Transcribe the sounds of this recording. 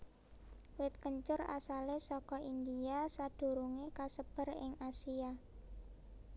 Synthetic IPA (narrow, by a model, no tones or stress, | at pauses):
wɪt̪̚kəɲt͡ʃʊra̰salesɔkɔʔind̪iasad̪̥ṳɾuŋekasəb̥ə̤rɪ̰ŋasia